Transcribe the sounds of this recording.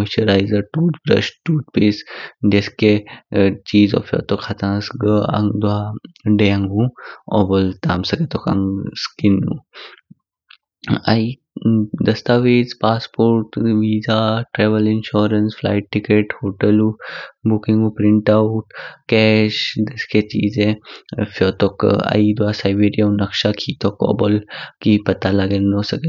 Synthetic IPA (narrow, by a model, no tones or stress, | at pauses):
oʃəɾajzəɾʈuːt̪bɾɐ̰ʃʈuːt̪̚peːsɖeske | t͡ʃiːzɔ̰fjɔ̰t̪okʰat̪ãsɡəa̰ŋd̪uaɖejãŋɡũɔ̰bolt̪aːmsɐket̪okã̰ŋskinṵ | a̰i | d̪ɐst̪aʋeːt͡spaːspoːɾʈʋiːzaʈɾɛːʋəlɪnʃɔːɾənsfla̰ːjʈʈːikeʈhoːʈəlubukiŋɡupɾɪɳʈauʈkɛːʃd̪əsket͡ʃḭːzẽfjɔːt̪ɔka̰id̪uasajbeːɾijaũnɐkʃakʰit̪ɔkɔ̰ːbɔlkipɐt̪alaɡenosəɡe